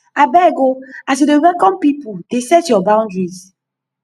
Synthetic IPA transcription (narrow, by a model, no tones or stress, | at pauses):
abɛɡoas̬edewɛkɔ̃mpipudesɛtjɔbãw̃ndɹiz